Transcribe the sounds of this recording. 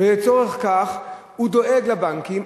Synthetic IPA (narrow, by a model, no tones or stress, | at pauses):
veet͡so̞ʁeχkaχ | hud̪o̞ʔeɡlabaŋkim